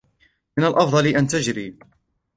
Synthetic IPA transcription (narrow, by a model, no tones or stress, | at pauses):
mɪnalʔɑfd̪ˤɑliʔant̪ad͡ʒɾiː